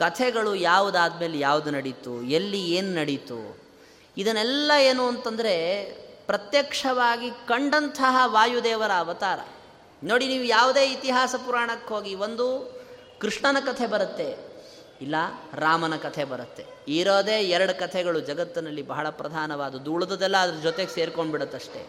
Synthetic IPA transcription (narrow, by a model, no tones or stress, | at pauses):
kɐt̪ʰɛɡɐɭujaːʋud̪aːd̪me̞ːljaːʋud̪unɐɽit̪uelːieːnunɐɽit̪ṵ | id̪ɐnɛlːɐeːnuɐnt̪ɐnd̪ɐɾe̞pɾɐt̪jɐkʂɐʋaːɡikɐɳɖɐnt̪ʰɐɦɐʋaːjud̪ɛːʋɐɾɐːʋɐt̪aːɾɐ̰ | no̞ːɽiniːʋujaːʋud̪e̞ːit̪iɦaːsɐpuɾaːɳɐkɦoːɡiʋond̪u | kɾiʂɳɐnɐkɐt̪ʰebɐɾɐt̪ːe̞ | ilːɐɾaːmɐnɐkɐt̪ʰebɐɾɐt̪ːe̞ | iːɾoːd̪eːɛɾɐɽukɐt̪ʰɛɡɐɭud͡ʒɐɡɐt̪ːɐnɐlːibɐɦɐɭɐpɾɐd̪ʱaːnɐʋaːd̪ud̪uɭɐd̪ɐd̪ɛlːɐːd̪ɐɾɐd͡ʒɔt̪eɡeseːɾko̞ɳɖbiɽut̪ːɐʂʈe̞̰